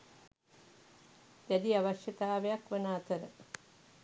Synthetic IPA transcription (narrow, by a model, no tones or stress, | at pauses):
d̪æd̪iaʋaʃjɐt̪aːʋejakʋɐnaːt̪əɾə